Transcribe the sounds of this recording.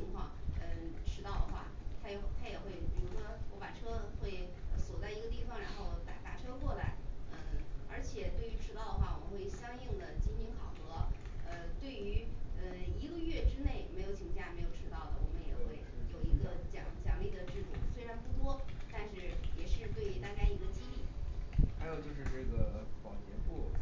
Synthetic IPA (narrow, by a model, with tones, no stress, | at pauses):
t͡ɕʰi˧˥ŋkʰwɑ˥˩ŋə˧ʈ͡ʂʰɻ̩˥t̪ɑ˥˩ʊd̪ə˩xwa̰˥˩t̪ʰa˥ɛ˨˥t̪ʰa˥jɛ˨˩xwe˥˩ɪpi˨˩ɻu˧˥ʂwɔ˥wɔ˧˥pa˨˩ʈ͡ʂʰɤ˥xwe˥˩ɪə˧swɔ˨˩t͡sa˥˩ɪi˧˥ɡə˧t̪̬i˥˩fɑ˨˩ŋɻa˧˥nxo˥˧ʊt̪a̰˨˩t̪a˥˩ʈ͡ʂʰɤ˥kwɔ˥˩la˧˥ɪə˥˧˩ə̰˞˧˥t͡ɕʰjɛ˨˩t̪we˥˩ɪy˧˥ʈ͡ʂʰɻ̩˥ɑ˥˩ʊd̪ə˩xwa̰˥˩wɔ̰˨˩ə˦nxwe˥˩ɪɕjɑ˥ŋi˥˩ŋd̪ə˩t͡ɕi˥nt͡ɕi˥nkʰɑ˨˩ʊxɤ˧˥ə˧t̪we˥˩ɪy˧˥ə˧i˧˥ɡə˧ɥɛ˥˧ʈ͡ʂɻ̩˥ne˥˩ɪme˧˥ɪjo˧˩ʊt͡ɕʰi˧˥ŋɕja˥˩me˧˥ɪjo˨˩ʊ˧˥t̪ɑ˥˩ʊd̪ə̰˩wɔ̰˨˩mə˦njɛ˨˩xwe˥˩ɪjo˨˩ʊi˧˥ɡə˧t͡ɕjɑ̰˨˩ŋt͡ɕjɑ̰˨˩ŋli˥˩d̪ə˩ʈ͡ʂɻ̩˥˩ʈ͡ʂṵ˥˩se˥ɪʈ͡ʂɑ˧˥npu˥˩t̪̬wɔ˥t̪a˥˧nʂɻ̩˥˩jɛ˨˩ʂɻ̩˥˧t̪we˥˩ɪy˧˥t̪a˥˧t͡ɕa˥˩ɪ˩i˧˥ɡə˧t͡ɕi˥t̪i˥˩xa˧˥ɪjo˨˩ʊt͡ɕjo˥˧ʊʂɻ̩˥˧ʈ͡ʂɤ˥˩ɡə˩pɑ̰˨˩ŋt͡ɕjɛ˧˥npu˥˩